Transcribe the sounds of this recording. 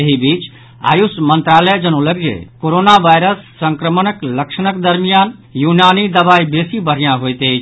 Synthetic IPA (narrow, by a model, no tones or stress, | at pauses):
eɦibit͡ʃ | a̰jusmənt̪ɾaləd͡ʒənoləɡd͡ʒḛkoɾonaʋajɾəsːəŋkɾəmənəkləksənəkd̪əɾmijanjunanid̪əbaibesibəɾ̤ijãɦojt̪ejt͡ʃʰ